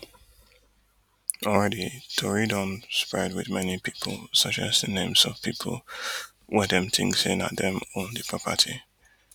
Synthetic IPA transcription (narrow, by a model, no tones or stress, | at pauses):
ʔɔlɹɛditʰɔɹidɔ̃nspɹɛd̚wɪðmɛnipʰipʰəl̩ˠsʌt͡ʃa̰zðənẽɪ̃mz̥ɔv̥pʰipʰə̰l̩ˠ | wɛdɛ̃mtɪ̰̃ŋsɪ̰̃nə̰t̚ðɛ̃mə̃ndəpʰɹ̥ɔpʰə̰tʰi